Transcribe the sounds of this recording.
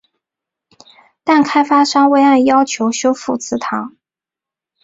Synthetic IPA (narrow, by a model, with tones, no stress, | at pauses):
t̪a˥˩nkʰa˥ɪfa˥ʂɑ˥ŋwe˥ɪa˥˩ɪjɑ˥ʊt͡ɕʰjo˧˥ʊɕjo˥ʊfu˥˩t͡sʰɹ̩˧˥t̪ʰɑ˧˥˦ŋ